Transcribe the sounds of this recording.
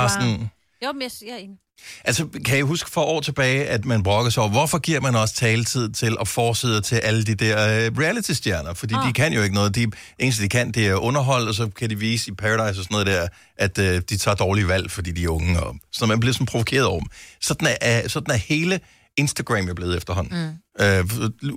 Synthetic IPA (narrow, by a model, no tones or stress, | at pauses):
s | ʔælsɒkʰæjæɦusɡ̥ə̥fɒ̽ʔɒ̰ːt͡sʰe̝b̥ɛːɪʔæd̥mænb̥ʁɔ̽ɡ̥ɐsɒ̰ʋɒfɒ̽ɡ̥iɐ̰mænɒ̽sə̥t͡sʰɛːlət͡sʰið̞̰ˠt͡sʰe̝lʔɒ̽fɒːseð̰ˠɐt͡sʰe̝lʔælədid̥æɐ̰ʁiælit͡sʰisd̥jæɐnɐfɒ̽d̥ḭːd̥ikʰæn̰jo̝e̝ɡ̥ənɔ̽ːð̩ˠd̥iʔe̝ːns̩d̥ikʰæn̰d̥iæɐʔɔ̽nɐɦɒ̽l̰ɒ̽s̬ɒ̽kʰædiʋiːsəipʰæʁɑɾɑ̈ɪsɒsɒnɔðˠd̥æɐ̰ | ʔæd̥ød̥it͡sʰɑ̈ːd̥ɒːliʋæl̰fɒ̽d̥ḭːd̥iæɐɔ̽ŋəɒ̽sɒnmænb̥le̝ɐsɒ̽n̩pʰʁo̝ʋokʰe̝̰ːɐðˠɒ̰sɒ̽d̥n̩æsɒ̽d̥n̩æhe̝ːlə | e̝nsd̥æɡ̥ʁɛmjæble̝ːð̩ˠefd̥ɐɦɒ̽n̰n̩ø